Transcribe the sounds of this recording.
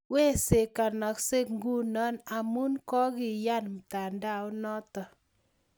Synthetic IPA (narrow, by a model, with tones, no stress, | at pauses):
we˦se˨ka˨nɔ˨kse˦kŋɡu˦nɔ˦na˨mu˦nkɔ˦kɪ˨ja˦˨nm̩˨ta˨nda˦˨ʊ˦nɔ˦tɔ˨